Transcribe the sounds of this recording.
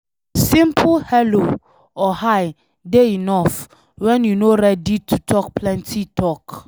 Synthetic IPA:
sĩmpʰlhɛlo | ɔhaj | deinɔf | wɛ̃njunoɾɛditʰutʰɔk̚pʰlɛ̃ntʰitʰɔk

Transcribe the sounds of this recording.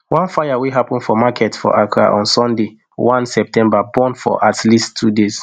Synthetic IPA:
wãnfajaweɦapɔ̃nfɔmakʰɛtfɔ̰ʔakʰɹa̰ʔɔ̰̃nsɔ̃nde | wʔãnsɛp̚tʰɛ̃mbabɔ̃nfɔ̰ʔatʰlisttʰːudes

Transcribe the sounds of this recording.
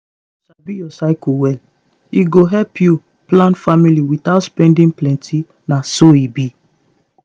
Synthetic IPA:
uʃabijɔsaɪkowɛl | iɡoɦɛlpʰju | plãnfamiliwiθaʊtspɛ̃ndĩnplɛ̃ntʰi | nasoibi

